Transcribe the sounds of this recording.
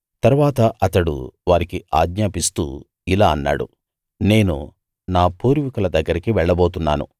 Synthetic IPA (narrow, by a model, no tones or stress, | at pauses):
t̪ɐɾuʋaːt̪ɐʔɐt̪ɐɽṵʋaːɾikiʔa̰ːɡɲaːpist̪ṵː | ilaːɐnːa̰ːɽṵ | ne̞ːnṵ | naːpuːɾʋikulɐd̪ɐɡːɐɾikiʋɛɭːɐboːt̪unːaːnṵ